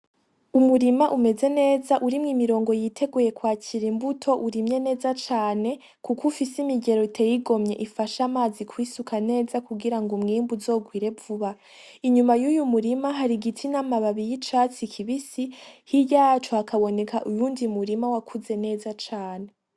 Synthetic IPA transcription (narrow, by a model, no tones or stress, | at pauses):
umuɾimaʔume̞ze̞ne̞ːzaʔuɾimŋimiɾo̞ːŋɡo̞jitʰe̞ɡuje̞kwaːcʰiɾimbutʰo̞ʔuɾimɲe̞ne̞ːzat͡ʃaːne̞ | kukufisimiɡe̞ɾoitʰejiɡo̞mɲe̞̰ʔifaʃamaːzikwisukʰane̞ːzakuɡiɾaŋɡumŋiːmbuzo̞ːɡwiːɾe̞vuβa | iɲumajujumuɾimaɦaɾiɡitʰinamaβaβijit͡ʃaːt͡sikʰiβisihijaːt͡ʃoakʰaβo̞ne̞kʰaʔujuːndiumuɾimawakʰuze̞ne̞ːzat͡ʃaːne̞